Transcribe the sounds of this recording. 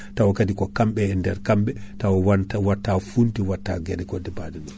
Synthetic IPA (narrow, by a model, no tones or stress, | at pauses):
tawɔkadikɔkamɓɛːndɛɾkamɓɛtawɔwwatːafuntiwatːaɡɛɗɛkɔdɛbadɛɗun